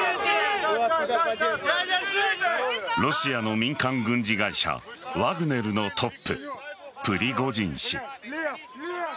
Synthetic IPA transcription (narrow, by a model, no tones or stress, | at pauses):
ɾo̞ɕiano̞mʲĩŋkãŋɡɯ̟̃ɲ̟d͡ʑiɡaiɕa̰βaɡɯ̟ne̞ɾɯ̟no̞t̪ʰo̞pːɯ̟pɯɾʲiɡo̞d͡ʑĩɰ̃ɕḭ